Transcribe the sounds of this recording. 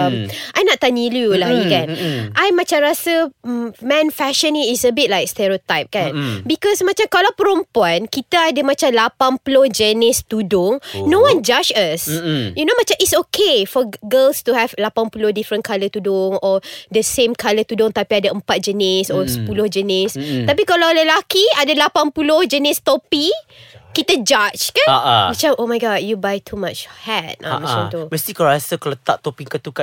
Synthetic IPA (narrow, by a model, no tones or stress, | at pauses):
mʔajnɔʔt̪ːaniljulaɡikanʔajmãt͡ʃãmɾasəmmɛ̃nfɛʃə̃nĩŋisəbit̚lajk̚st̪ɛɹiot̪ajp̚kanbikɔsmãt͡ʃamkalawpəɾɔmpankit̪aadəmãt͡ʃamlapanpulohd͡ʒənɪst̪udʊŋnõwãnd͡ʒat͡ʃəsjunomãt͡ʃãmitsokʰefɔɡəlst̪uhɛvlapanpulʊhdifɾə̃nkʰalət̪udʊŋɔdəsẽmkʰalət̪udʊŋt̪apiadaəmpat̪̚d͡ʒənɪsɔsə̥pulʊhd͡ʒənɪst̪ap̬ikalaləlakiadalapanpulʊhd͡ʒənɪst̪ɔpikit̪əd͡ʒat͡ʃkãnaabit͡ʃawʔomajɡɔtjubajt̪ʰumat͡ʃhɛt̚a̰mat͡ʃãŋt̪umɛst̪ikɔɹasəkalat̪aʔ̚t̪ɔpiŋkat̪uka